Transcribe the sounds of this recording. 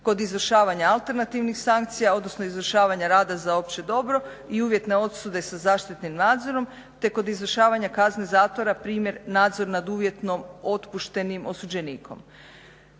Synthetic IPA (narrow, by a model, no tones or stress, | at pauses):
ko̞d̪izʋr̩ʃaːʋaɲaːlt̪e̞ɾnat̪iːʋnixsaŋkt̪sijao̞d̪nosnoizʋr̩ʃaːʋaɲaɾaːd̪azaop̚t͡ɕe̞d̪o̞bɾo̞ | iuːʋje̞t̪ne̞o̞t̪sud̪e̞sazaːʃt̪it̪nimnaːd̪zo̞ɾo̞m | t̪e̞ko̞d̪izʋr̩ʃaːʋaɲakazne̞zaːt̪ʋo̞ɾapɾiːmje̞ɾnaːd̪zo̞ɾnad̪uːʋje̞t̪no̞mo̞t̪puʃt̪e̞nimʔo̞sud͡ʑe̞niːkʰo̞̰m